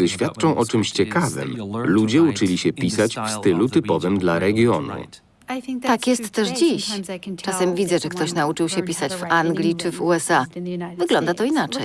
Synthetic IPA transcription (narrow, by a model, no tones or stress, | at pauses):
ɘɕfʲjat̪t͡ʂɔ̃w̃ʔɔt͡ʂɘmɕt͡ɕɛkavɘ̰mlud͡ʑɛut͡ʂɘlʲiɕɛpʲisat͡ɕfst̪ɘlut̪ɘpɔvɘmd̪laɾɛɡʲjɔnṵ | t̪akjɛst̪ːɛʂd͡ʑiɕt͡ʂasɛmvʲid̪zɛʐɛkt̪ɔɕnaut͡ʂɘwɕɛpʲisat͡ɕvaŋɡlʲit͡ʂɘvuɛsavɘɡlɔnd̪at̪ɔinat͡ʂɛj